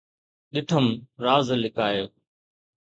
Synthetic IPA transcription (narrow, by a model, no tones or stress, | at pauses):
ɗɪʈʰəmɾaːzlɪkaːjoː